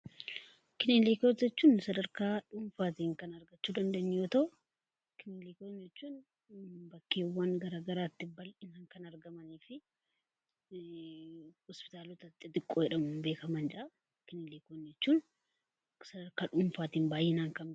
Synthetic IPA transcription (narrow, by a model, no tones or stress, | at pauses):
kɪneːlekoːt̪d͡ʒɛt͡ʃːuːnsɐd̪ɐɾkaːᶑʊnfaːt̪iːŋkɐnɐɾɡɐt͡ʃːuːd̪ɐnd̪ɐʔɪnjoːt̪ɐʊ | kɪneleːkond͡ʒɛt͡ʃːuːn | bɐkːeːwːanɡɐɾaːɡɐɾaːt̪ːɪbɐlɪnaːŋkɐnɐɾɡɐmɐniːfɪ | hɔspɪ̥t̪aːlɔt̪ɐt̪ːɪt̪ɪkʼːoːjɛᶑɐmʊbe̞ːkɐmɐnd͡ʒʔɐ | kɪneːleːkoːnd͡ʒɛt͡ʃːuːn | sɐd̪ɐɾkaːᶑʊmfaːt̪iːnbaːjːɛnaːŋkɐn